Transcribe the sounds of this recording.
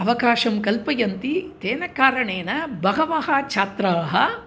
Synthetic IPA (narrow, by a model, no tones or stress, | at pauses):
ɐʋɐkaːʃɐmkɐlpɐjɐnt̪it̪eːnɐkaːɾɐɳeːnɐbɐɡɐʋɐɦɐt͡ʃʰaːt̪ɾaːɦɐ